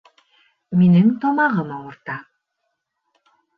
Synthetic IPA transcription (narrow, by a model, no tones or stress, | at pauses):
minɘŋt̪ɒmɑʁɤmɑwɤ̆ɾt̪ɑ